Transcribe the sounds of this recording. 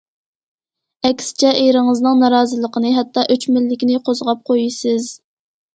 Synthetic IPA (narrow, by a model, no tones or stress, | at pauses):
ɛkʲsɪ̥t͡ʃʰɛʔejɾɪŋəznɨŋnɑɾɑːzɨlˠəqənɨɦɛt̪ʰːɑʔøt͡ʃmɪlːɪkʲinɪqʰozʁɑp̚qʰojisɪz̥